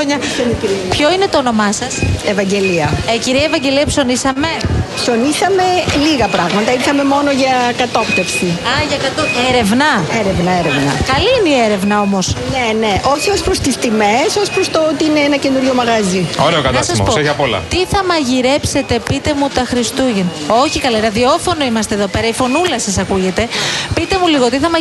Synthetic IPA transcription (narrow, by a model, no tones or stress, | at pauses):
oɲɐ | pço̞ine̞t̪oːno̞mɐsɐsevɐɲɟe̞liɐeciɾiɐevɐɲɟe̞liɐpso̞nisɐme̞pso̞nisɐme̞liɣɐpɾɐɣmɐt̪ɐiɾθɐme̞mo̞noʝɐkɐt̪o̞pt̪efsiɐʝɐkɐt̪oeɾe̞vnɐeɾevnɐeɾevnɐ̰kɐliineieɾe̞vnɐo̞mo̞sneneʔosospɾost̪ist̪imesospɾost̪oot̪iineenɐce̞nuɾʝomɐɣɐzio̰ɾeokɐnɐsɐspoeʝɐpolɐ̰t̪iθɐmɐʝiɾe̞pse̞t̪e̞pit̪e̞mut̪ɐxɾist̪uʝeno̞çikɐlenɐðio̞fo̞no̞imɐst̪eðo̞pe̞ɾɐifo̞nulɐsɐsɐkuʝe̞t̪e̞pit̪e̞muliɣo̞t̪iθɐmɐ